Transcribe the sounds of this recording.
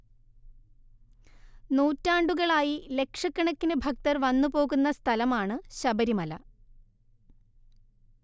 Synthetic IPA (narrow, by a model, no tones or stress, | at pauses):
nuːtːaːɳɖuɣɐɭaːjile̞kʂɐkːɐɳɐkːinɨbʱɐk̚t̪ɐrʋɐnːupo̞ːɣunːɐst̪ʰɐlɐmaːɳɨɕɐbɐɾimɐlɐ̰